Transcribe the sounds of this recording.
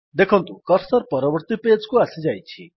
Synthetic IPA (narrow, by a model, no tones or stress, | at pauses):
d̪ekʰɔnt̪ukʌɾsɔɾpɔɾɔbɔɾt̪iped͡ʒkuasid͡ʒajt͡ʃʰi